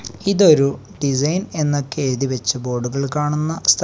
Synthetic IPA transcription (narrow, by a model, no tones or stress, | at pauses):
iðo̞ɾu | ɖisɐjne̞nːɐkːeːðiʋɐt͡ɕːɐbo̞ːɖuɣɐɭkaːɳunːɐst̪ʰ